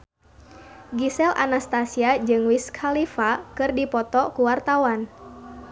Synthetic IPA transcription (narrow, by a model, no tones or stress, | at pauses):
ɡisɛlʔa̰nast̪asiad͡ʒɨŋwiskʰalifakɨrdipɔt̪ɔkuwart̪awan